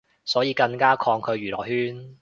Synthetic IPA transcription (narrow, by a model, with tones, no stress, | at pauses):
sɔː˨˥jiː˨˧kɐ˧ŋkaː˥kʰɔː˧ŋkʰɵ˨˧ɥjyː˨˩lɔ̰ː˨˩hyː˥n